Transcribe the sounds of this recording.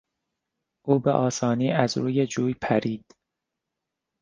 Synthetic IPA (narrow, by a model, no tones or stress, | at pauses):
ʔuːbḛʔɒːsɒːniːæzɾuːjed͡ʒuːjpʰæɾiːd̪̥